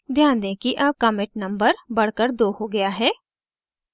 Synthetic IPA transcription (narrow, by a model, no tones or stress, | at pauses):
d̪ʱjãːnd̪ẽkiʔɐb̚kɐmɪʈ̚nɐ̃mbəɾbɐɽ̤kəɾd̪oːɦoɡɐjaɦɛː